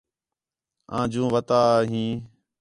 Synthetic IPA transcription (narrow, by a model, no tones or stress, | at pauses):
ã̰ːd͡ʒũːʋət̪aːɦĩː